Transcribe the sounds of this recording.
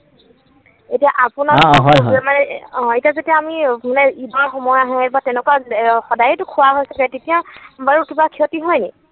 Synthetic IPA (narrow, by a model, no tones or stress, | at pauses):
etijaʔapʊnaɦɔjmanɛɔ̃etijazetiaːmimanɛidɔɹxɔmɔjaɦɛɛtbatɛnɛkwaxɔdajɛtukʰuwaɦojsɛkatetijabaɹukibakʰiɦɔtiɦɔjnɛ